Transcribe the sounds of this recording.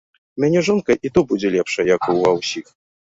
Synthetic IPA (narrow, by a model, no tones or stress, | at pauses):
mʲanʲɛʐɔnkɐʔit̪ubud͡zʲɛlʲɛpʂɐjɐkuvawsʲix